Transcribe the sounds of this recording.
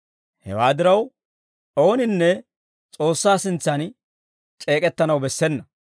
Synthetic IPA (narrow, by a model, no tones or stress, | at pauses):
hɛ̰waːd̪ɪɾɐw | ʔo̞ːnɪnːɛ | t͡sʼo̞ːsːaːsɪnt͡sːɐn | t͡ʃʼe̞ːkʼɛt̪ːɐnɐwbɛsːɛnːɐ